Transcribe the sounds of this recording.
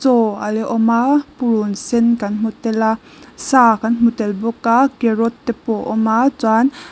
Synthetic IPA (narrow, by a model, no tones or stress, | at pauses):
t͡sɔalɛʔɔmapuɾunsɛnkanmut̪ɛla | sakanmut̪ɛlbɔkːakeɾɔt̪ːɛpɔʔɔmat͡san